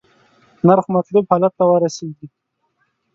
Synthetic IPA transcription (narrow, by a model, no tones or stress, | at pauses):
naɾxmat̪lubhɑlat̪ːawəɾaseɡi